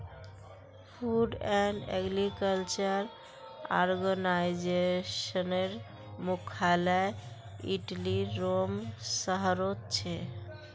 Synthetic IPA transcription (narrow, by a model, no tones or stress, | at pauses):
fʰuɖɛɳɖɛ̰ɡɾikəlt͡ɕaɾ | aɾɡonajd͡ʑeʃoneɾ | mukʰalae | ḭʈliːomsəɦaɾot̪t͡ɕʰe